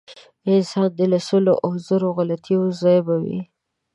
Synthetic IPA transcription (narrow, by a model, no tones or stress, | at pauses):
ɪzhɑd̪əlasəloʔazaɾoɣalat̪ʰiʊzɑjbawḭ